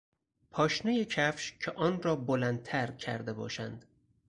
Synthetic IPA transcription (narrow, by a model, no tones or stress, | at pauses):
pʰɒːʃnejecʰæfʃcʰeʔɒːnɾɒːbolænd̪̚t̪ʰæɾcʰæ̰ɾd̪ebɒ̰ːʃæ̰nd̪̥